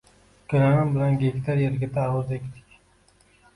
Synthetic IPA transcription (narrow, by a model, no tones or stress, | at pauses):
kʲʰɵɾanɪmbɪlanɡʲekʲt̪ʰaɾjeɾɡʲat̪ʰaːwʊzekʲt̪ʰɪ̥kʲ